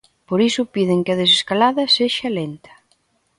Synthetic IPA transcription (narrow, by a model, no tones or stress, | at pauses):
poɾisʊpiðɪŋkɪɐð̞es̬eskalaðɐseʃɐlent̪ɐ̥